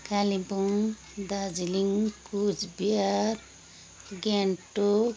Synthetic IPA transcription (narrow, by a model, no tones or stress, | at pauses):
kalibuŋ | d̪ad͡ʒiliŋkud͡ʒbijaɾ | ɡeɳʈo